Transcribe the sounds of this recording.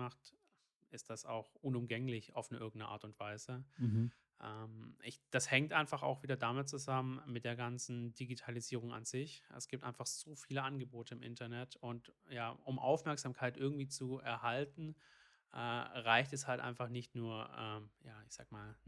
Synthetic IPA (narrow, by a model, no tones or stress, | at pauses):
aχt | ʔɪstd̥asa̰ʊxʔʊnʊmɡɛŋlɪça̰ʊfnəʔɪɐɡŋ̩nəʔa̰ːɐtʊntv̥aɪzə | ʔɛmʔɪ̰çd̥ashɛŋtʔaɪnfaχa̰ʊxv̥iːdɐdamɪt̚t͡suzamənmɪt̚d̥eːɐɡant͡sn̩d̥iɡitʰaliziːʁ̞ʊŋa̰nz̥ɪçʔɛ̰sɡ̥iːp̚tʔa̰ɪnfaχz̥oːfiːləʔanɡəboːtʰəɪmʔɪ̰ntɐnɛtʊntjaːʔʊmʔa̰ʊfmɛɐkz̥aːmkʰaɪtʔɪɐɡŋ̩tv̥iːt͡suɛɐhaltn̩ | ʔɛːʁaɪçtɛshaltʔa̰ɪnfaχnɪçtnuːɐʔɛːmjaːɪçz̥aːɡmaːl